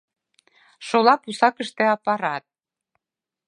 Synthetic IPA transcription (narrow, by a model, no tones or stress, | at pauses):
ʃolɑpusɑkə̆ʃt̪ĕɑpɑɾɑt̪̚